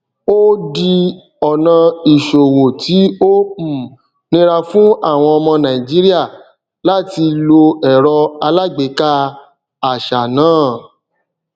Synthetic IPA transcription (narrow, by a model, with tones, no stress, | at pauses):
o˦di˧ | ɔ˨nã˧i˨ʃo˨wo˨tʰi˨˦õ˦˨ | nĩ˦ɾa˧fũ˦a˦˨w̃ɔ̃˧ɔ˧mɔ̃˧nã˨ĩ˨d͡ʒi˦ɾi˦a˦˨ | la˦ti˧lo˧ɛ˨ɾɔ˧a˧la˦ɡ͡be˨˦ka˦ | a˨ʃa˨nãː˨˦˨